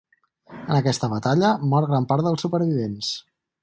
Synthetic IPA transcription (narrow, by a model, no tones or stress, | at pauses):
ənəkɛst̪əβət̪aʎəmɔɾɣɾampaɾðəlˠsupəɾβ̞iβens